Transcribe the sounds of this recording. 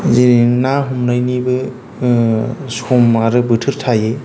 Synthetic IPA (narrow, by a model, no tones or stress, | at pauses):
ziɾiŋnaɦumnajnibɯ | sumaɾɯbɯtʰɯɾtʰaje